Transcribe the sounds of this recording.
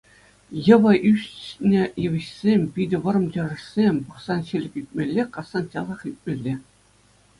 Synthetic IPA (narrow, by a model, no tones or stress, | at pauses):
jɤ̆ʋɤ̆ʔyɕnʲɘ̆jɘʋʲɘ̆ɕsʲemʲpʲidʲɘ̆ʋɤ̆ɾɤ̆mtʲɤ̆rɤ̆ʂsʲemʲpɤ̆χsɑnɕelʲɘ̆kʲit̚ʲmʲelʲːekɑsɑnt͡ɕɑlˠɑχip̚ʲmʲelʲːĕ